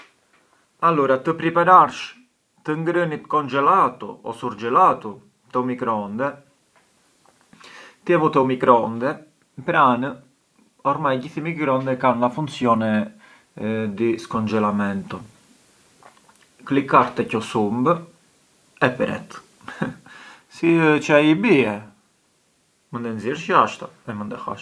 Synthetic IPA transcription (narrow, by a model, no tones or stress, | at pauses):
alːuːɾat̪əpɾipaɾaɾʃ | t̪əŋɡɾənit̪kɔnd͡ʒɛlaːt̪ṵɔ̰suɾd͡ʒɛlaːt̪u | t̪ɛumikɾɔnd̪ɛ | t̪iɛvut̪ɛumikɾɔnd̪ɛ | pɾanə | ɔɾmajɟiθimikɾɔnd̪ɛkanlafunt̪sjɔːnɛ | d̪iskɔnd͡ʒɛlamɛnt̪u | klikaɾt̪ɛcɔsumb | ɛpɛɾɛ̰t̪ | sit͡ʃaibiɛ | mənd̪ɛnzjɛɾʃiaʃt̪aɛmənd̪ɛxa̰ʃ